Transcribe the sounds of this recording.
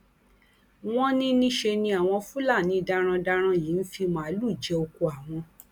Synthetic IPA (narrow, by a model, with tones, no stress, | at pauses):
w̃ɔ̃˦nĩ˦nĩ˦ʃe˧nĩ˧a˨w̃ɔ̃˧fu˦la˦˨nĩ˨˦˧da˧ɾ̃ã˧da˧ɾ̃ã˧ji˨˦n̩˦fi˧mã˨˦lu˦˨d͡ʒɛ˧o˧ku˧a˨w̃ɔ̃˧